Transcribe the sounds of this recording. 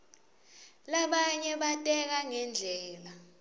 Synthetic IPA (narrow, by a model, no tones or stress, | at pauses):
laɓaɲɛɓatʼɛk̬aŋɛnd͡ɮʱɛːla